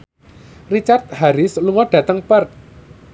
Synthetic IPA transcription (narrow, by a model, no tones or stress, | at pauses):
rit͡ʃart̪̚haɾɪsluŋɔɖ̥ä̤t̪əŋpərt̪̚